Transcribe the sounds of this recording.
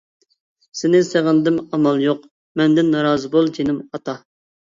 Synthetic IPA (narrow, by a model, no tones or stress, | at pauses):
sɪnɪseʁənd̪ɪmɑmɑlˠjoq | mɛnd̪ɪnːɑɾɑːzɨbolˠt̪ʲʰenɪmɑt̪ɑ